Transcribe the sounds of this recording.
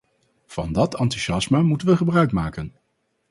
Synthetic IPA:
v̥ɑndɑtɑntyʒɑsmamutənʋəχəbrœɥkmaːkən

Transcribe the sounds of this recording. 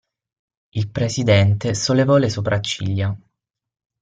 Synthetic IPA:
ilpɾesid̪ɛnt̪esolːevɔlesopɾʔat͡ʃːḭlja

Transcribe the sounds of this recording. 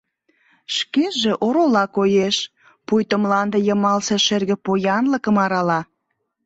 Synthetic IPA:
ʃkeʒĕʔoɾolɑkojeʃ | pujt̪əmlɑnd̪ejə̆mɑlseʃerɣĕpojɑnləkə̆mɑɾɑlɑ

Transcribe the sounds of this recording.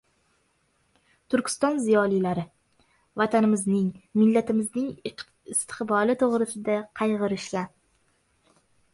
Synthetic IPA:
t̪ʰʊɾkʲʰɪ̥st̪ɒnzɪjɒlijlaɾɪ | vat̪ʰanɪmɪznɪŋmɪlːat̪ʰɪmɪznɪŋ | ɪst̪ʰɪ̥qbɒlɪt̪ʰoʁɾɪsɪd̪aqʰɑjʁɨɾɪʃlʲa

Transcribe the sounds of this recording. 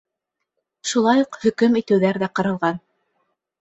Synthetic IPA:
ʃulˠɑjoqhɵ̆kɵmit̪ɘ̆wðæɾðæqɑ̆ɾɑlˠʁɑn

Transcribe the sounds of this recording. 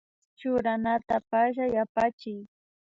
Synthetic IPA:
t͡ʃʊɾanat̪apaʃajapat͡ʃɪj

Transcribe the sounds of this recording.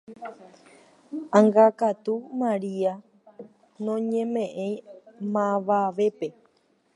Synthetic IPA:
ãŋɡakat̪umãɾia | nõɲẽ̞mẽ̞ʔẽj̃mãʋaʋe̞pe̞

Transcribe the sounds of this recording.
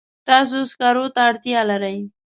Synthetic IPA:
t̪ɑs̬oskaɾot̪aːɽt̪jɑlaɾaj

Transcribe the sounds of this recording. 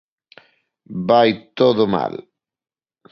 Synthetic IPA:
bajt̪oðoma̰l

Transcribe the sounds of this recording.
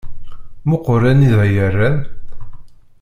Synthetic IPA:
mʊqːɔɾæniðæjærːæn

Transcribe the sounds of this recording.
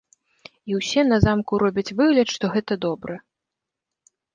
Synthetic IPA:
iwsʲɛnɐzamkuɾɔbʲɐt͡sʲvɨɣlʲɐt̪ʂt̪ɔɣɛt̪ɐd̪ɔbɾʔɨ

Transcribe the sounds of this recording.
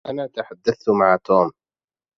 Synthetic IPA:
ʔanaːt̪aħad̪ːaθt̪maʕat̪uːm

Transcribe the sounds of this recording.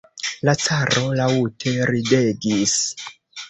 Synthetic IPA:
lat͡saɾʔo̞lautʰe̞ɾideɡis

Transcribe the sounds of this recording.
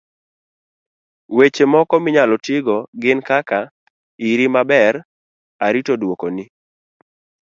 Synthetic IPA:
wet͡ʃemɔkɔmɪɲalɔtɪɡɔɡɪnkaka | iɾimabɛɾ | aɾitodwokoni

